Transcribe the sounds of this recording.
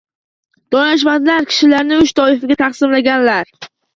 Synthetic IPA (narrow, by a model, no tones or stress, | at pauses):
d̪̥ɒnaʃ̬mad̪laɾkʲʰɪ̥ʃɪlaɾnɪʊʃt̪ʰɒɪfɪɡʲat̪ʰaχsɪmlaɡʲanlaɾ